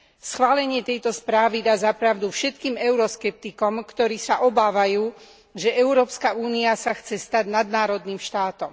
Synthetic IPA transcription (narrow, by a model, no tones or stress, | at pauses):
sxʋaːlɛɲɪɛt̪ɛjt̪ɔspɾaːʋid̪aːzapɾaʊd̪ufʃɛt̪kiːmɛʊɾɔskɛp̚t̪ikɔmkt̪ɔɾiːsaʔɔbaːʋajuː | ʒɛʔɛʊɾɔːpskauːniasaxt͡sɛst̪aɟnad̪̚naːɾɔd̪niːmʃt̪aːt̪ɔm